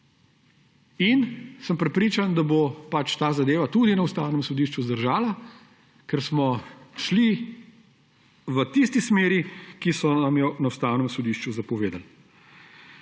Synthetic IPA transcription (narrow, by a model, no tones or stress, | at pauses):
insəmpɾɛpɾiːt͡ʃand̪abopat͡ʃt̪aːzad̪eːʋat̪ud̪inɐust̪aːwnɛmsɔd̪iːʃt͡ʃuzd̪əɾʒaːla | kɛɾsmɔʃli | ʋət̪ist̪ismeːɾikisɔnamjɔnɐust̪aːwnɛmsɔd̪iːʃt͡ʃuzɐpɔʋeːd̪al